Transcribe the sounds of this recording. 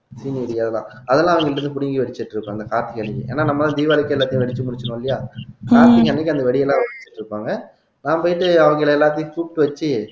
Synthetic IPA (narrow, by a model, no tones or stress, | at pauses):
siːnɪɐɽiɐðɛlːã̰ːɐðɛlːãːɐʋɐŋɡɐɪɭɪɾɯnd̪ɯp̬ʊɽɪŋɡiʋɛɽɪt͡ʃːɪʈːɪɾɯpːãɐnd̪ɐkaːɾt̪ːɪkɐɳɛkːɯ̰ḛːnːaːnɐmːɐt̪ãːd̪iːʋaːlɪkːɐɛlːaːt̪ːɪjʊ̃ʋɛɽɪt͡ʃːɯmʊɽɪt͡ʃːɐnʊ̃ːɐlːɪjaːkaːt̪ːikɐnːɛkːɐnd̪ɐʋɛɽɪjɛlːãːɐʋɐʋɛɽɪt͡ʃːɐʈːɪɾɯpːaːŋɡɐ | nãːpoːjɪʈːɯɐʋɐŋɡɐɪlɐɛlːaːt̪̬ːɪjʊ̃fuːʈːɯʋɐt͡ʃːɯ